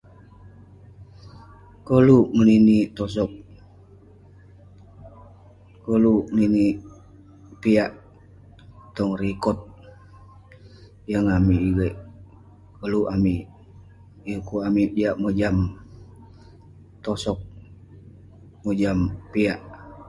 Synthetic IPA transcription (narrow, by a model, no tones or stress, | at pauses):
koluməninit̪ɔs̬ɔk̚ | kəluənini | piaʔ | t̪ɔŋrikɔt̪̚ | jəŋamiːɡeʔ | kəluʔami | ukuamiiaʔməd͡ʒam | t̪ɔsɔk̚ | məd͡ʒampiaʔ